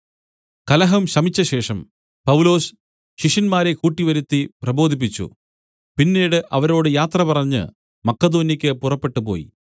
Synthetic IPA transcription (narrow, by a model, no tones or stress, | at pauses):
kɐlɐɦɐmɕɐmit͡ɕːɐɕe̞ːʂɐm | pɐwlo̞ːs | ɕiʂɐnmaːɾe̞kuːʈːiʋɐɾut̪ːiprɐbo̞ːd̪ʱip̬ːit͡ɕːṵ | pinːeːɽɨʔɐʋɐɾo̞ːɽɨjaːt̪rɐpɐrɐɲːɨ̰ | mɐkːɐd̪o̞ːnikʲːɨpurɐpːe̞ʈːɨpo̞ːjḭ